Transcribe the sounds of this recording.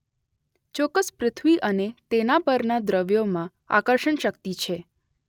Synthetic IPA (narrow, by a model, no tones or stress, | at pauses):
t͡ʃɔkːəspɾɪt̪ʰʋiʔənet̪enapəɾnad̪ɾəʋjomã | a̰kəɾʃəɳʃəkt̪it͡ʃʰe